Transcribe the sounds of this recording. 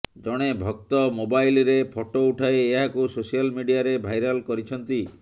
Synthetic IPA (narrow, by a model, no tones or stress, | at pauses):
d͡ʒɔɽ̃ebʱɔk̚t̪ɔmobajlɾepʰoʈouʈʰaeːɦakusosijalmiɖijaɾebʱajɾɔlkɔɾit͡ʃʰɔnt̪i